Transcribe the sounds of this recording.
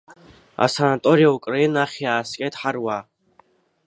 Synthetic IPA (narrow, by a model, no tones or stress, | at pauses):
a̰sanat̪ʼoɾijaukʼrainaχʲiaːskʲʼatʰʼħarwa